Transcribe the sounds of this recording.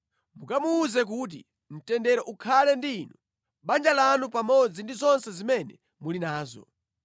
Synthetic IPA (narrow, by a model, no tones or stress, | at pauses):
mukamuːzɛk̬uːt̬ḭ | m̩tɛndɛɾɛʔukʰalɛndiːnu | ɓand͡ʒalanupamɔd͡zindizɔnsɛzimɛnɛ | mulinaːzɔ̰